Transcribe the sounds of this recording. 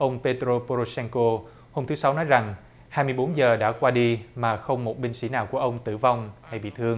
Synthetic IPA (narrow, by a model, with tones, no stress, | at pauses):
ʔə˧wŋ͡mpe˧t̪ɾo˧po˧ɾo˧sɛ˧nko˧ | ho˧mt̪ɨ˨˦sa˨˦wnɔ˨˦jza˨˩ŋ | haː˧jmɨ˧əjɓo˨˦nzəː˨˩ɗa̰ː˧˥kwaː˧ɗi˧maː˨˩xə˧wŋ͡mmo˨˩t̚ɓï˧ŋ̟sḭ˧˥naː˨˩wku˧˩əʔə˧wŋ͡mt̪ɨ̰˧˩va˧wŋ͡mha˧jɓḭ˧˨t̪ʰɨ˧əŋ